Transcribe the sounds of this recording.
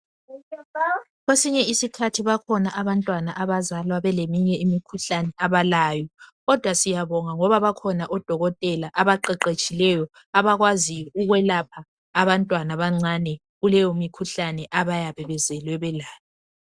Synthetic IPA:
ɣwesiɲɛisikʰatʰiβakʰɔnaʔaβantʼwanaʔaβazalwaβɛlemiɲɛimikʰuɬanɛaβalaːjɔɣɔd̥ʱwasijaβɔŋaŋɔβaβakʰɔnaʔɔd̥ʱɔɣɔtʼɛlaʔaβaǃɛǃet͡ʃʼilɛjɔ | aβaɣwaziuɣwɛlapʰaː | βantʼwanaβaŋ͡ǀanɛ | ɣulɛjomikʰuɬanɛʔaβajaβɛβɛzɛlwɛβɛlaːjɔ

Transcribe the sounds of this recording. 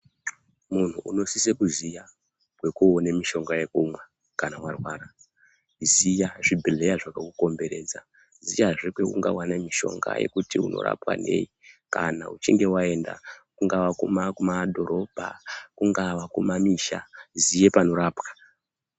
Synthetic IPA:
mun̤uʔuno̞sisekuzija | kwe̞kuonemiʃo̞ŋɡaje̞kumwe | kanawarwaːɾa | zijaʐibʱile̞jaʐakakuko̞mbe̞ɾeːd͡za | zijaʐekwe̞kuŋɡa̰wanamiʃo̞̰ŋɡa̰jḛkutiṵno̞̰ɾa̰pwa̰ne̞̰ːika̰na̰ut͡ʃiŋɡe̞wae̞nda̰kuŋɡaʋakumakumadʱo̞ɾo̞bʱa̰kuŋɡaʋakumamiʃazije̞pano̞ɾaːpwḁ

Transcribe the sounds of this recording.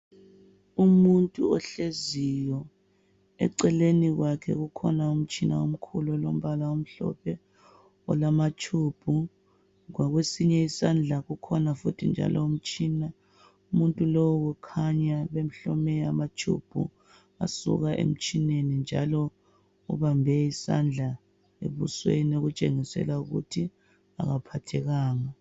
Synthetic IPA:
umuntʼṵɔɬezijɔ | ɛ̰ǀɛleniɣwakʰɛ̰ɣukʰɔnaum̩t͡ʃʼina̰um̩kʰulɔlom̩βalaum̩ɬɔ̰pʰɛ | ɔ̰lamat͡ʃʰub̥ʱu | ɣwaɣwesiɲɛisand͡ɮʱaɣukʰɔnafutʰind͡ʒʱa̰lʔɔum̩t͡ʃʼina | umuntʼulowukʰaɲaβem̩ɬɔmɛamat͡ʃʰʼṵb̥ʱṵ | a̰sṵɣaʔḛm̩t͡ʃʼinenind͡ʒʱalɔ | ṵβambʱɛisa̰nd͡ɮʱa | ḛβṵswenoɣut͡ʃʼeŋisɛ̰lauɣṵtʰi | a̰ɣapʰatʰɛɣaːŋa

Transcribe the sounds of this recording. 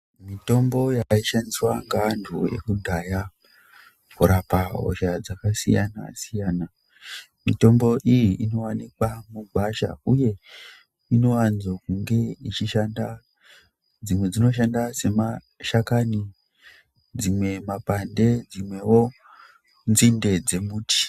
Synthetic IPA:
mito̞mbo̞jaiʃandiswaŋɡandʰʱuje̞̰kudʱaja | kuɾapaɦo̰ʃad͡zakasḭja̰na̰sijaːna | mito̞mbo̞ʔijiʔino̞wanikwamubʱaʃa̰uje̞ | ino̞wanzokuŋɡe̞it͡ʃiʃanda | d͡zimwe̞d͡zino̞ʃ̬andase̞ma | ʃakani | d͡zimwe̞mapande̞d͡zimwe̞wo̞ | nzinde̞d͡ze̞muːti̥

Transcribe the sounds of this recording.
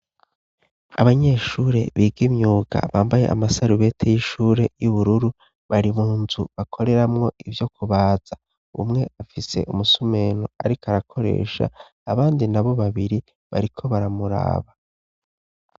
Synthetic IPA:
a̰βaɲe̞ʃuːɾe̞̰βiːɡimɲuːɡa̰βaːmbaje̞̰ʔa̰masaɾuβe̞tʰejiʃuːɾe̞juβuɾuɾu | βaɾimuːnzuβakʰo̞ɾe̞ɾamŋo̞ʔivjo̞kʰuβaːz̥a | ṵmŋe̞afise̞̰ʔumusume̞ːno̰a̰ɾikaɾakʰo̞ɾḛːʃa̰ː | βaːndinaβo̞βaβiɾi | βa̰ɾikʰo̞βaɾamuɾa̰ːβa

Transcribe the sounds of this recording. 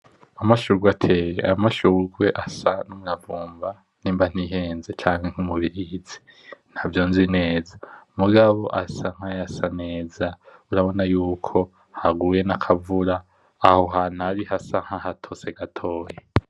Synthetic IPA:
amaʃuɾɡwatʰe̞jḛamaʃuɾɡwe̞ʔasanumuɾavuːmba | n̥iːmban̥iːɦe̞ːnzet͡ʃaːŋ̥heŋ̥umuβiɾiizi̥ | n̥havjo̞nzine̞ːzamuɡaβo̞ʔasaŋ̥hajasane̞ːzauɾaβo̞najuːkʰo̞ | haɡuje̞nakʰavuɾaː | ho̞ɦanaɾihasaŋ̥hahatʰo̞se̞ɡatʰo̞ːje

